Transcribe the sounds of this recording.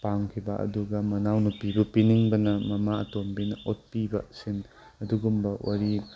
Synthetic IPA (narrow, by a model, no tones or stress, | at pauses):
paŋkʰibɐʔɐ̰duɡɐmɐnawnupibupiniŋbɐnɐmɐmaɐ̰tombinɐʔot̚pibɐ̰sin | ɐduɡumbɐwa̰ɾi